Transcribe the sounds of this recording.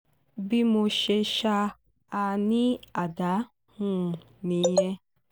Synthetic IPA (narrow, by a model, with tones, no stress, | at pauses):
bi˦mo˧ʃe˧ʃa˧ | a˧nĩ˦a˨da˨˦ | hũ˦˨ | nĩ˨˦ɾɛ̃˦